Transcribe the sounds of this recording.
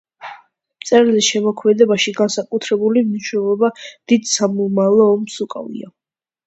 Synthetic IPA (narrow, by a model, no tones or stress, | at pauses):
mt̪sʼɛɾlisʃɛmɔkʰmɛd̪ɛbaʃiɡansakʼut̪ʰɾɛbulimniʃnɛlˠɔbad̪̥id̪samɔmalˠɔːmsukʼa̰vḭa̰